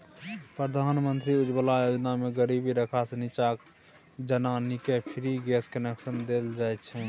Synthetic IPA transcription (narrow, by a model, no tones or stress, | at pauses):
pɾəd̪ʱanmənt̪ɾiud͡ʒbəlajod͡ʒnameɡəɾibiɾəkʰasenit͡ʃak | d͡ʒənanikepʰiɾiɡɛskənɛksənd̪eld͡ʒajtt͡ʃʰɛ